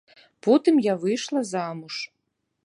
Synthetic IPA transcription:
pɔt̪ɨmjavɨʂlˠɐzamuʂ

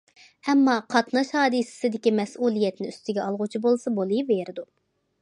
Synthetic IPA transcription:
ɛmːɑqʰɑt̪nɑʃhɑːd̪ɨsɪ̥sɪd̪ɪkʲimɛsulˠijɛt̪nɪyst̪ɪɡʲɛɑlˠʁʊt͡ʃʰibolˠsɑbolˠɨjveɾɪd̪u

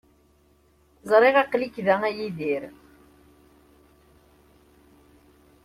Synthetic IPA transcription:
zˤɾˤeʁɑqlikðææjiðiɾ

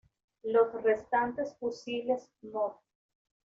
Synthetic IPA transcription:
losrest̪ant̪esfusiles | nos

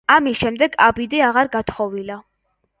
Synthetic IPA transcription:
amisʃɛmd̪ɛɡabid̪iaʁaɾɡat̪ʰχɔvila

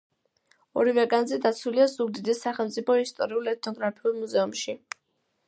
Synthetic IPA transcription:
ɔɾivɛɡanzɛd̪at̪sʰuliazuɡ̚d̪id̪isːaχɛlˠmt̪sʼipʰɔist̪ʼɔɾiulˠɛt̪̚ʰnɔɡɾapʰiulˠmuzɛumʃi

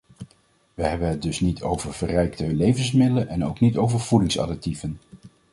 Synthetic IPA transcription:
ʋəɦɛbənɦət̚dɵsnitʰo̰wvəɹvərɛjktəlejvənsmɪdələnʔɛnowknitowvəɹv̥udɪŋsɑ̰dək̚tivən

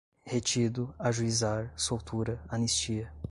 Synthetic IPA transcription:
het͡ʃid̪ʊaʒuizaɾsowt̪uɾɐɐnist͡ʃiɐ

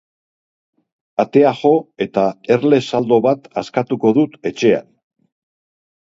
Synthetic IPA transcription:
at̪e̞aʝo̞e̞t̪ae̞ɾle̞sald̪o̞βat̪askat̪uko̞ðut̪e̞t͡ʃe̞a̰n

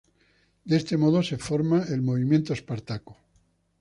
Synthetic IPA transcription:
d̪eest̪emoðose̞foɾmaelmoβimjent̪oespaɾt̪aku̥

